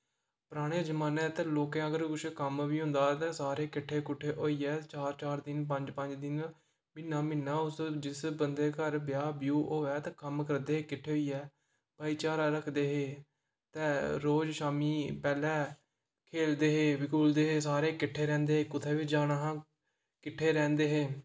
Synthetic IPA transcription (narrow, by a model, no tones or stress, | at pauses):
pəɾaːɽ̃eːd͡ʒəmaːnẽːt̪ɛ̃ːloːkɛ̃ːəɡəɾkʊt͡ʃʰkəmʋiːɦʊ̃nd̪aːt̪ɛ̃ːsaːɾeːkɪʈʰːeːkʊʈʰːeːʔoːiːɛːt͡ʃaːɾt͡ʃaːɾd̪ɪnp̬ə̃ɲd͡ʒpəɲd͡ʒd̪ɪn | mɪnːaːmɪnːãːʊsd͡ʒɪsbənd̪eːkəɾbjaːbjuːʔoːɛːt̪ɛ̃ːkəmkəɾd̪eːɦeːkɪʈʰːeːɦoːiːɛː | baːiːt͡ʃaːɾaːɾəkʰd̪eːɦeː | t̪ɛ̃ːɾoːd͡ʒʃaːmiːpɛːlɛː | kʰeːld̪eːɦeːʋɪkʰuːld̪eːɦeːsaːɾeːkɪʈʰːeːɾɛ̃ːnd̪eːɦeːkʊt̪ʰeːʋɪd͡ʒaːnaɦãː | kɪʈʰːeːɾɛ̃ːnd̪eːɦeː